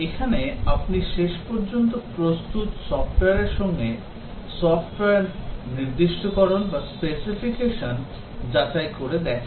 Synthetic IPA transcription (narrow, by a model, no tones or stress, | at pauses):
ekʰaneapniʃeʃpɔɾd͡ʑont̪opɾost̪ut̪sɔfʈoeaɾeɾʃɔŋɡe | sɔfʈoeaɾniɾd̪iʃʈokɔɾonbaspesifikeʃon | d͡ʑat͡ɕajkoɾed̪ɛkʰn